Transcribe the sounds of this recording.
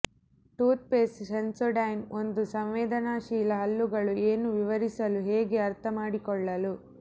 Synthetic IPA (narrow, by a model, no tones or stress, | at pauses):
ʈuːt̪̚peːssɐnsoɖɐjno̞nd̪usɐmʋɛːd̪ɐnaːʃiːlɐɦɐlːuɡɐɭueːnuʋiʋɐɾisɐluɦeːɡe̞ɐɾt̪ʰɐmaːɽikɔɭːɐlu